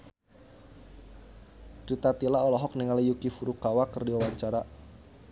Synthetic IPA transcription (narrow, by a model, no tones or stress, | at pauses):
dɾit̪at̪ilaɔlɔɦɔk̚niŋalijukifuɾukawakərdiawaɲt͡ʃaɾa